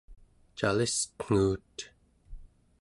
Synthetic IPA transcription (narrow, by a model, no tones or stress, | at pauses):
t͡ʃalist̪ŋ̥uːt̪